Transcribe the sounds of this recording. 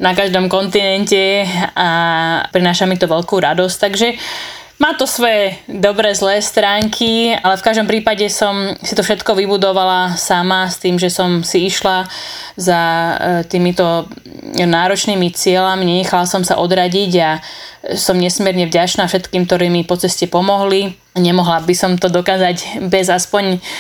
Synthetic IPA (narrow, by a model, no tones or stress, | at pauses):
nakaʒd̪ɔmkɔnt̪inɛncɛapɾinaːʃamit̪ɔʋɛlkuɾad̪ɔsct̪aɡʒɛ | maːt̪ɔsʋɔjɛd̪ɔbɾɛːzlɛːst̪ɾaːŋkʰialɛfkaʒd̪ɔmpɾiːpaɟɛsɔmsit̪ɔfʃɛt̪kɔʋibud̪ɔʋalasamast̪iːmʒɛsɔmsiiʃlazat̪iːmit̪ɔ | naːɾɔt͡ʃniːmit͡sɪɛlamiɲɛɲɛxalasɔmsa̰ʔɔd̪ɾaɟiɟa | sɔmɲɛsmjɛɾɲɛvɟat͡ʃnaːfʃɛt̪kiːmk̚t̪ɔɾɛːmipɔt͡sɛscɛpɔmɔɦli | ɲɛmɔɦlabisɔmt̪ɔd̪ɔkaːzaɟbɛzaspɔɲ